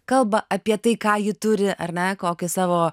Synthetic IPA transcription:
kɐlˠbɐʔʔɐpʲiɛt̪ɐɪkɑːjɪt̪ʊɾʲɪʔɐɾʲnʲɛkoːkʲɪsɑːʋoː

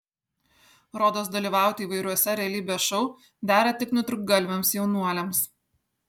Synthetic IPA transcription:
ɾoːd̪oːsd̪ɐlʲiːʋɑˑʊt̪ʲɪːʋɐɪɾʲuɔsʲɛɾʲɛɐlʲiːbʲɛʃɔʊ | d̪ʲæːɾʲɛt̪ʲɪknʊt̪ɾʊɡ̚ɡɐlʲʋʲɛmsjɛʊnuɔlʲɛms

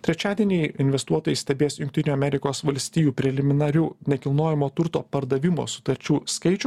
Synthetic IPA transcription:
t̪ʲɾʲɛt͡ʃʲæːd̪ʲiɛnʲɛɪɪnʲʋʲɛst̪uɔt̪oːjɛɪsʲt̪ʲɛbʲeːsjʊŋk̚ʲt̪ʲɪnʲuːɐmʲɛɾʲɪkoːsʋɐlʲsʲt̪ʲiːjuːpʲɾʲɛlʲɪmʲɪnɐɾʲuːnʲɛkʲɪlˠnoːjɛmoːt̪ʊɾt̪o̰ːpɐɾd̪ɐʋʲɪmo̰ːsʊ̥t̪ɐɾʲt͡ʃʲuːskɐɪt͡ʃʲʊ

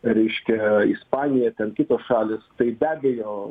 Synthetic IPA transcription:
ɾʲɛɪʃʲkʲɛispɑːnʲɪjɛt̪ʲɛnkʲɪt̪oːsʃɑːlʲeːst̪ɐɪbʲæːbʲɛjoː

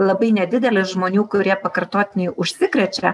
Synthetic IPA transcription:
lˠɐbɐɪnʲɛd̪ʲɪd̪ʲɛlʲɪsʒmoːnʲuːkʊɾʲiɛpɐkɐrt̪oːt̪ʲɪnʲejʊʃʲsʲɪkɾʲɛt͡ʃʲɛ

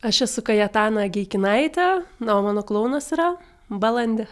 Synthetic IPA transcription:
ɐʃɛsʊkɐjɛt̪ɑːnɐɡʲɛɪkʲɪnɐɪt̪ʲɛnɐoːmɑːnoːklˠɐʊnɐsiɾɐ | bɐlˠɐnʲd̪ʲɛ

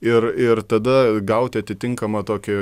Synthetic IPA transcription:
ɪrɪrt̪ɐd̪ɐɡɐʊt̪ʲɪɐt̪ʲɪt̪ʲɪŋkɐmɐt̪oːkʲɪ

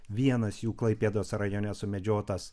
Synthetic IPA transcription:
ʋʲiɛnɐsjuːklˠɐɪpʲeːd̪oːsɾɐjoːnʲɛsʊmʲɛd͡ʒʲoːt̪ɐs

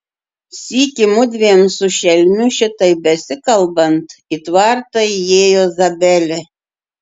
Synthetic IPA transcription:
sʲiːkʲɪmʊd̪ʲʋʲiɛnsʊʃʲɛlʲmʲʊʃʲɪt̪ɐɪbʲɛsʲɪkɐlˠbɐnt̪it̪ʋɑɾt̪ɐɪjeːjoːzɐbʲɛlʲɛ

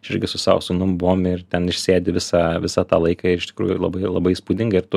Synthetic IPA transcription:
ʃɪɾʲɡʲɪsʊsɑ̰ːʋsʊnʊmbʊʋoːmɪrt̪ʲɛnɪʃʲsʲeːd̪ʲɪʋʲɪsɑːʋʲɪsɑːt̪ɑːlˠɐɪkɑɪɾɪʃʲt̪ʲɪ̥kɾṵːjʊlˠɐbɐɪlˠɐbɐɪspuːd̪ʲɪŋɡɐɪɾt̪ʊ

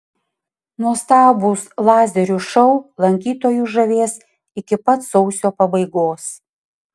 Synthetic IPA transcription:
nuɔst̪ɑːbuːslˠɑːzʲɛɾʲuːʃɔʊlˠɐŋʲkʲiːt̪oːjuːʒɐʋʲeːs | ɪkʲɪpɐt̪sɔʊsʲoːpɐbɐɪɡoːs

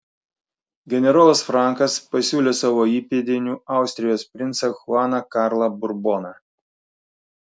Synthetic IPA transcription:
ɡʲɛnʲɛɾɑːlˠɐsfɾɑˑŋkɐspɐsʲuːlʲeːsɑʋoːiːpʲed̪ʲɪnʲuːɑˑʊsʲt̪ʲɾʲɪjoːspʲɾʲɪnt̪sɐxʊɑːnɐkɑːɾlˠɐbʊɾbonɐ

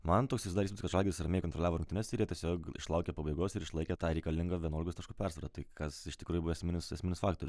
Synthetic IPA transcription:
mɐnt̪oːksʲɪsd̪ɑːɾismnʲskɐt̪ʒɑlʲɡʲɪd̪ɪsɾɐmʲeːɪkont̪ɾɔlʲæːʋoːɾʊŋkt̪ʲɪnʲɛːsʲɪɾjiɛt̪ʲiɛsʲoːkɪ̰ʃlˠɐʊkʲɛpɐbɐɪɡoːsɪɾɪʃlˠɐɪkʲɛt̪ɑːɾʲɛɪkɐlʲɪŋɡɐʋʲiɛnoːlʲɡkost̪kɑʃkuːpʲɛrsʋɐɾt̪ɑt̪ɐɪkɐsɪʃʲt̪ʲɪkɾuːjʊbʋɐɛsʲmʲɪnʲɪsɐsʲmʲɪnʲɪsfɑːkt̪oːɾʲʊs

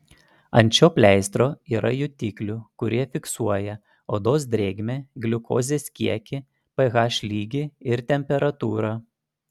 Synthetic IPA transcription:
ɐnʲt͡ʃʲoːpʲlʲɛˑɪst̪ɾoːiːɾʔɐjʊt̪ʲiːklʲʊkʊɾʲiɛfʲɪksuɔjɛ | oːd̪oːsd̪ʲɾʲeːɡʲmʲeɡlʲʊko̰ːzʲeːskʲiɛkʲɪ | pɐɣɑːʃʲlʲiːɡʲɪɪɾt̪ʲɛmʲpʲɛɾɐt̪uːɾɑ

